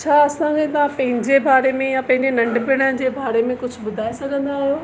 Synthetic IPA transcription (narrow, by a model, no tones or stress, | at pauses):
t͡ɕʰaːɐsãkʰet̪ɐʋãpɐ̃ɦɪ̃ɲd͡ʑebaːɾemẽjapɐ̃ɦɪ̃ɲd͡ʑenɐ̃ɳɖbɪɽ̃əɽd͡ʑeːbaːɾemẽkʊd͡ʑʱʊ̆bʊd̪ʱaːesɐɡʱə̃nd̪aɦijoː